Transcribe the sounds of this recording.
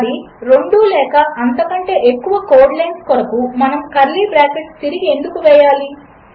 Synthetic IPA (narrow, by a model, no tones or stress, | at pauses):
ɽi | ɾo̞ɳɖuːlɛːkɐʔɐnt̪ɐkɐɳʈe̞ːʔekːuʋɐkoːɖlɐjnskɔɾɐkumɐnɐmkɐɾlibɾaːkeʈst̪iɾiɡie̞nd̪ukuʋɛːjaːli